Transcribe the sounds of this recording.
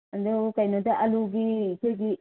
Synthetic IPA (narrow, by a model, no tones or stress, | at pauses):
ɐdukɐjnodɐʔɐluɡiːseɡi